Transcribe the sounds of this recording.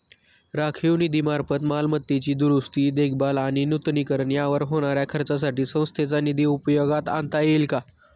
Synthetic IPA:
ɾakʰiʋnid̪iːmaɾpət̪malmət̪ːjet͡ɕiːd̪uɾust̪iːd̪ek̚ʰbalaɽ̃inut̪niːkəɾɳjaʋəɾɦoɽ̃aɾjakʰəɾt͡sas̬aʈiːsə̃w̃st̪ʰet͡sanid̪iːupjoɡat̪a̰nt̪ajelka

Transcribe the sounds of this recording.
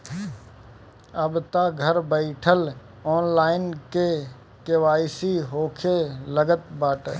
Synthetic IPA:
əbt̪aɡʱəɾbəɪʈʰəl | ɔːnlaːɪnke | keʋaːisiɦoːkʰeləɡət̪baːʈː

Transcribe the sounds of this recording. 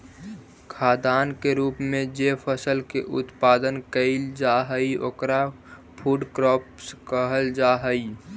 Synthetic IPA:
kʰaːd̪aːnkeɾuːpmẽd͡ʒepʰəsəlkḛʔʊ̰t̪paːd̪ənkəɪld͡ʒaɦəio̰ːkɾa | pʰuɖkɾɔːpskəɦəld͡ʒaːɦəi

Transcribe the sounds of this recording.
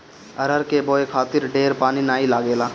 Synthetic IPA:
əɾəɾkeboːekʰaːt̪ɪɾɖeːɾpaːninaːilaːɡeːlaː

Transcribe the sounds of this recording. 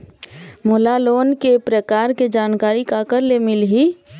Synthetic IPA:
mʊlaloːnkepɾəkaːɾked͡ʒaːnkaːɾikakəɾlemɪlɦi

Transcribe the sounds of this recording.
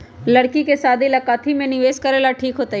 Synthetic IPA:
ləɽkikesaːd̪ʱilakat̪ʰimẽnɪʋeːskəɾeːlaʈʰiːkɦoːt̪a

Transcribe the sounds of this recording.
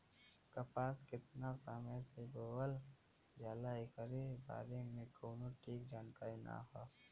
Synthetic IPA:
kəpaːskɪt̪nasaməjseboːbəl | d͡ʒaːlaekəɾeba̰ːɾemẽkoːnoʈʰiːkd͡ʒaːnk̪aːina̰ɦaː

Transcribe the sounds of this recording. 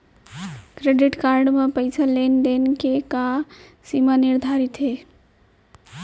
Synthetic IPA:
kɾeɖiʈkaɾɖmepəjsalenɖ̪enkekasimanɪɾd̪ʱaɾit̪ɦe

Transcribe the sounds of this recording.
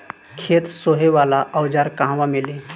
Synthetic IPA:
kʰeːt̪soɦeʋaːlaʔəwd͡ʒaɾkãɦʋamɪle

